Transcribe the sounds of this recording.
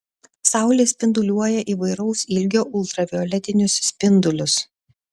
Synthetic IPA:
sɑˑʊlʲeːsʲpʲɪnd̪ʊlʲuɔjɛʔiːʋɐɪɾɐʊsɪlʲɡʲoːʔʊlˠt̪ɾɐʋʲɪɔlʲɛt̪ʲɪnʲʊssʲpʲɪnd̪ʊlʲʊs

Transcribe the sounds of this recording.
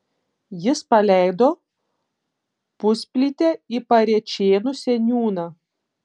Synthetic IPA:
jɪspɐlʲæˑɪd̪oː | pʊsʲpʲlʲit̪ʲɛipɐɾʲɛt͡ʃʲeːnʊsʲɛnʲuːnɑ

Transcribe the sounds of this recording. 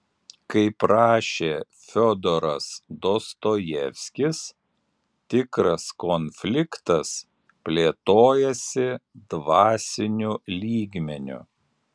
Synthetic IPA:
kɐɪpɾɑːʃʲeː | fʲɔd̪ɔɾɐsd̪oːst̪oːjɛfʲsʲkʲɪs | t̪ʲɪkɾɐskɔnʲfʲlʲɪkt̪ɐs | pʲlʲeːt̪oːjɛsʲɪd̪ʋɑːsʲɪnʲʊlʲiːɡʲmʲɛnʲʊ̰

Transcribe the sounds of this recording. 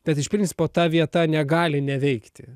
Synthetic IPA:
b̥ʲɛt̪ɪʃpʲɾʲɪnʲtsʲɪ̥poːt̪ɑʋʲiɛt̪ɐnʲɛɡɑːlʲɪnʲɛʋʲɛɪkt̪ʲɪ

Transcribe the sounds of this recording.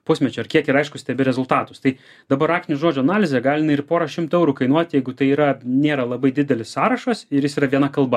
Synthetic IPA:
pʊsʲmʲɛt͡ʃʲʊɐrkʲiɛkɪɾɐɪʃkʊsʲt̪ʲɛbʲɪɾʲɛzʊlˠt̪ɑːt̪ʊst̪ɐɪ | d̪ɐbɐɾɑːk̚t̪ʲɪnʲuʒoːd͡ʒʲʊɐnɑːlʲɪzʲɛɡɑːlʲɪnɐɪrpoːɾɐʃʲɪmt̪ʊɛʊɾuːkɐɪnuɔt̪ʲjɛɪɡʊt̪ɐɪiːɾɐnʲeːɾɐlˠɐbɐɪd̪ʲɪd̪ʲɛlʲɪssɑːɾɐʃɐsɪɾjɪsiːɾɐʋʲiɛnɐkɐlˠbɐ

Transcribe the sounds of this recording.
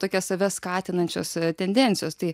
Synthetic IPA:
t̪oːkʲɛsɐʋʲɛskɑːt̪ʲɪnɐnʲt͡ʃʲo̰ːst̪ʲɛnʲd̪ʲɛnʲtt͡s̪ʲɪjoːst̪ɐɪ

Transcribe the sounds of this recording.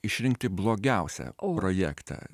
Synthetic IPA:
ɪʃʲɾʲɪŋk̚t̪ʲɪblˠoːɡʲɛˑʊsʲɛ̰pɾojækt̪ɑ̰ː

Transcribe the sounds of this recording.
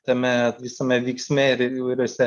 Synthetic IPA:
t̪ɐmʲɛt̪ʋʲisɐmʲɛʋʲiːksʲmʲɛɪɾiʋɐɪɾʲuɔsʲɛ

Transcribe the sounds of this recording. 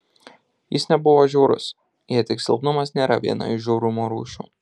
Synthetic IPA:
jɪsnʲɛbʊʋoːʒʲuːɾʊ̰s | jiɛt̪ʲɪksʲɪlˠpnʊmɐsnʲeːɾɐʋʲḭɛnɐ̰ɪʃʒʲuːɾʊmoːɾṵːʃʲṵː

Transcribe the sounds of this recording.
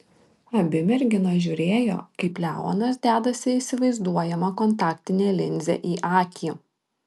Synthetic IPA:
ɐbʲɪmʲɛɾʲɡʲɪnoʒʲuːɾʲeːjo̰ːkɐɪplʲæːʋo̰nɐsd̪ʲæːd̪ɐsʲɪiːsʲɪʋɐɪzd̪uɔjɛmɐkɔnt̪ɑːkt̪ʲɪnʲeːlʲɪnʲzʲɛ̰ʔiːʔɑːkʲi

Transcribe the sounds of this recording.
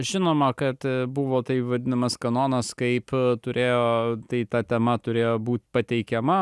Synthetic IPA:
ʒʲɪnoːmɐkɐt̪bʊʋoːt̪ɐɪʋɐd̪ʲɪnɐmɐskɐnoːnɐskɐɪpt̪ʊɾʲʔeːjoːt̪ɐɪt̪ɐt̪ʲɛmɐt̪ʊɾʲeːjoːbuːt̪ʲpɐt̪ʲɛɪkʲɛmɐ

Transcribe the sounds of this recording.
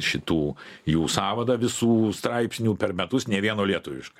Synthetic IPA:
ʃʲɪt̪uːjuːsɑːʋɐd̪ɐʋʲɪsuːst̪ɾɐɪpsʲnʲuːpʲɛrmʲɛt̪ʊsnʲɛʋʲiɛnoːlʲiɛt̪ʊʋʲɪ̰ʃkɐ

